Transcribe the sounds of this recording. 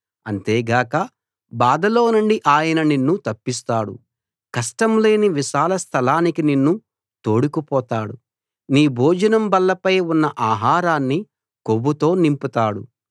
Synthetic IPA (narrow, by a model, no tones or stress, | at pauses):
ɐnt̪eːɡaːkɐ | baːd̪ɐlo̞ːnuɳɖiʔaːjɐnɐninːut̪ɐpːist̪aːɽṵ | kɐʂʈɐmle̞ːniʋiʃaːlɐst̪ʰɐlaːnikininːu | t̪oːɽukupɔːt̪aːɽu | niːbʱoːd͡ʒɐnɐmbɐlːɐpɐjunːɐʔaːɦaːɾaːnːi | kobut̪o̞ːnimput̪aːɽṵ